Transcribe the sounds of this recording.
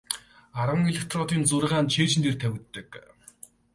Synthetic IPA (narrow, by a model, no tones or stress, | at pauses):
aɾə̆ŋeɮʲekt̪ʰrɔt̪iːnt͡sʊrʁaːnt͡ɕʰeːt͡ɕɪ̆nt̪ʰeːrt̪ʰæwʲɪ̆t̪ːə̆k